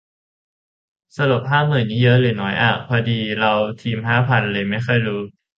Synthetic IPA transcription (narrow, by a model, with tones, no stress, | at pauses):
sa˧lu˨˩p̚ɦaː˥˩p̚mɯ˨˩nːiː˦˥jɤ˦˥ʔlɯ˨˩nɔː˦˥jʔa˨˩pʰɔː˧diː˧ɾa˧wt̪ʰiː˧mʰaː˥˩pʰa˨˩nʔa˧lɤː˧jma˥˩jxʰɔ˥˩jɾuː˦˥